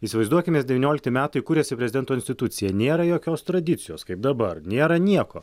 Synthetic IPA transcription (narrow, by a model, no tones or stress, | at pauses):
iːsʲɪʋɐɪzd̪uɔkʲɪmʲeːsd̪ʲɛʋʲɪːnʲoːlʲɪkt̪ʲɪmʲæːt̪ɐɪkuɾʲeɛsʲɪpʲɾʲɛzʲɪd̪ʲɛnt̪oːɪnʲsʲt̪ʲɪt̪ʊt̪sʲɪjɛnʲeːɾɐjoːkʲoːst̪ɾɐd̪ʲɪt̪sʲɪjoːskɐɪp̚d̪ɐbɐrnʲeːɾɐnʲiɛko̰ː